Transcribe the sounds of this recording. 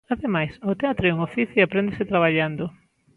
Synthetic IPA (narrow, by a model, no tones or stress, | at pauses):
aðemajsot̪eat̪ɾoɛuŋofiθjoapɾend̪eset̪ɾaβ̞aʎand̪o